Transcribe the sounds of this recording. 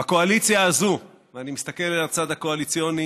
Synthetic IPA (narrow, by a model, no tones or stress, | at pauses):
ako̞alit͡sjaːzu | veanimist̪ake̞lelat͡sad̪hakoalit͡sijoni